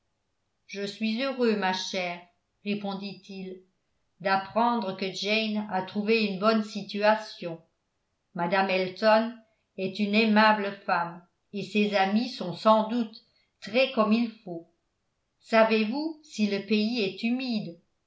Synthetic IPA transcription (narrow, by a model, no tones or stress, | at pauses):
ʒəsɥizøʁømaʃɛːʁ | ʁepɔ̃d̪it̪ʰil | d̪apχɑ̃d̪ʁəkəd͡ʒɛjnat̪χuveynbɔnsit̪yasjɔ̃ | mad̪amɛlt̪ɔn | ɛt̪ynemabləfam | esezamisɔ̃sɑ̃d̪ut̪ | t̪χɛkɔmilfo | savevusiləpeiɛt̪ymid̪